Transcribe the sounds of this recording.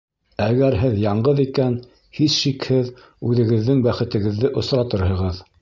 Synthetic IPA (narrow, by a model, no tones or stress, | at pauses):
æɡæɾɦɘðjɑɴɢɤðikæn | hisʃikhɘð | ʉðɘ̆ɣɘ̆ðːɘŋbæχɘ̆t̪ɘ̆ɡɘ̆ðːɘʔŏsɾɑt̪ɤɾɦɤ̆ʁɤð